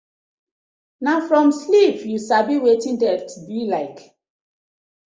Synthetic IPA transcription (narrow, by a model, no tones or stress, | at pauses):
nafɹɔ̃mslipjusabiwetĩndɛttbilaɪk